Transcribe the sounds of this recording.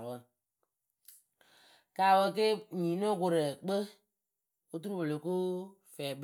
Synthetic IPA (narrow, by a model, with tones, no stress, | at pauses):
wə˧ | kaː˨wə˧k̬e˦ɲĩː˨nõ˦˨ko˨ɾə˨k͡pə˦ | o˦tu˦ɾu˦wo˨lo˨ko˦ | fɛː˨b